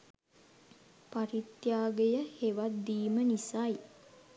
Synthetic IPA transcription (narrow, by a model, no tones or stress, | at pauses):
paɾit̪jaːɡejəheʋat̪̚d̪iːmənisaj